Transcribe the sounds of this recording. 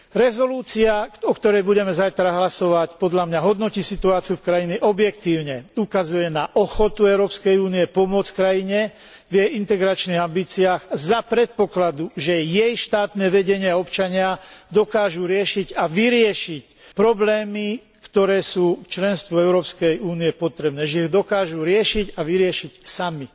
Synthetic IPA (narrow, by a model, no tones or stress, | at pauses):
ɾɛzɔluːt͡siaɔkt̪ɔɾɛjbuɟɛmɛzajt̪ɾaɦlasɔʋacpɔd̪ʎamɲaɦɔd̪nɔciːsit̪uaːt͡siufkɾajinɛʔɔbjɛkt̪iːʊɲɛukazujɛnaʔɔxɔt̪uɛʊɾɔːpskɛjuːniɛpɔmʊɔt͡skɾajiɲɛ | vjɛjint̪ɛɡɾat͡ʃniɣambiːt͡siaːɣzapɾɛt̪̚pɔklad̪uʒɛjɛjʃt̪aːt̪nɛːʋɛɟɛɲɪɛaɔpt͡ʃaɲɪad̪ɔkaːʒuɾɪɛʃicaʋiɾɪɛʃic | pɾɔblɛːmi | kt̪ɔɾɛːsuːft͡ʃlɛnst̪ʋuɛʊɾɔːpskɛjuːniɛpɔt̪ɾɛbnɛːʒɛiɣd̪ɔkaːʒuɾɪɛʃicaʋiɾɪɛʃicsami